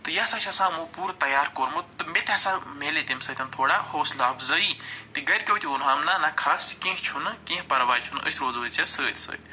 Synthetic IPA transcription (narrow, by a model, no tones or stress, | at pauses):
t̪ɨjɐsat͡ʃʰasãmũpuːɾt̪ɐjaːɾkoɾmɐt̪ɨmet̪ʰʲjɐsãmelet̪imsəːt̪ʰʲɐnt̪ʰoːɽahoːslaːbzəit̪iɡɐjɾkʲowt̪ʲʰiunɦaːmnanakʰaːst͡ʃkẽɦt͡ʃʰunkẽːɦpɐɾʋaːjt͡ʃʰunə̰sʲɾoːzoːt͡ʃʰʲasəːt̪ʲsə̰ːt̪ʲ